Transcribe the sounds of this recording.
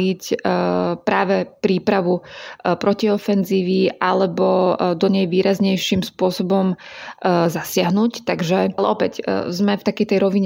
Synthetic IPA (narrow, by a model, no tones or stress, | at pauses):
ic | pɾaːʋɛpɾiːpɾaʋupɾɔciɔfɛnziːʋiʔalɛbɔd̪ɔɲɛjʋiːɾazɲɛjʃimspʊɔsɔbɔm | zasɪaɦnuct̪aɡʒɛlɛʔɔpɛczmɛft̪akɛjt̪ɛjɾɔʋiɲ